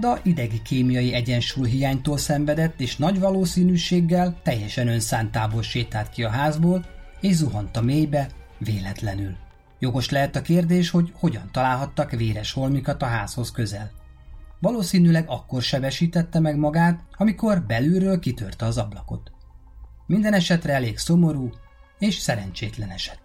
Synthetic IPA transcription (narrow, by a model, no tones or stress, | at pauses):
d̪ɒʔid̪ɛɡikʰeːmijɒjiɛɟɛnʃuːjɦijaːɲt̪oːlsɛɱvɛd̪ɛt̪ːeːʃnɒɟʋɒloːsiːnyːʃeːɡːɛlt̪ɛjːɛʃɛnø̞nsaːnt̪aːbolʃeːt̪aːt̪kiɒɦaːzboːleːʒzuɦont̪ɒmeːjbɛ | veːlɛt̪lɛnyl | jo̞ɡo̞ʃlɛɦɛt̪ɒkeːrd̪eːʃho̞ɟho̞ɟɒn̪t̪ɒlaːlɦɒt̪ːɒkʋeːɾɛʃho̞lmikɒt̪ɒɦaːsho̞skøzɛl | vɒloːsiːnyːlɛɡɒkːo̞rʃɛbɛʃiːt̪ɛt̪ːɛmɛɡmɒɡaːt̪ɒmiko̞rbɛlyːɾøːlkit̪ørt̪ɛɒzɒblɒko̞̰t̪ | mind̪ɛnɛʃɛt̪rɛɛleːɡso̞mo̞ɾuː | eːʃsɛɾɛnt͡ʃeːt̪lɛnɛʃɛ̥t̪